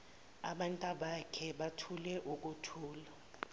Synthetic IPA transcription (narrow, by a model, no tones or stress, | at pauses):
aɓantʼaɓakʰɛɓatʰulɛʔuk̬ʼutʰuːla